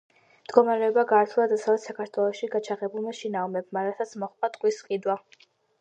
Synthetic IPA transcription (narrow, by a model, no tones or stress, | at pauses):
md̪̥ɡɔmaɾɛɔbaɡaːɾt̪ʰulˠad̪atsʰavɛt̪sakʰaɾt̪ʰwɛlˠɔʃiɡat͡ʃʰaʁɛbulˠmaʃinamɛbmaɾasʰat̪sʰmɔχpʼat̪ʼkʼwisqʼid̪wa